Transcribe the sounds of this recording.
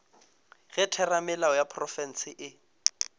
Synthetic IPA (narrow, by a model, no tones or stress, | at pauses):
ɣɛtʰɛramɪlaɔjapʰrɔfɛn̩sɪʔɪ